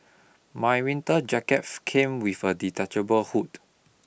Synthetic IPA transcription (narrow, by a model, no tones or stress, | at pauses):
majwĩntəd͡ʒakɛtkʰẽmwifəditat͡ʃəbəlhut